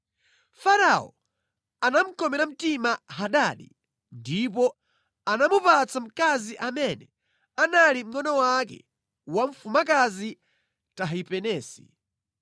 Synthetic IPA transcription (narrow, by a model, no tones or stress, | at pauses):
faɾaɔ̰ | anam̩kɔmɛɾam̩timaɦaɗaɗḭ | ndipɔ | anamupat͡sam̩kaziʔamɛnɛ | analim̩ŋɔnɔwak̬ɛ̰ | waɱ̩fumakazi | taɦipɛnɛːsi̥̰